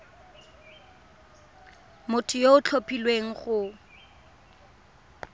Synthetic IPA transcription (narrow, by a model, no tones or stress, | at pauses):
mʊtʰʊjoʊt͡ɬʰopʰʼilweŋ̩χʊ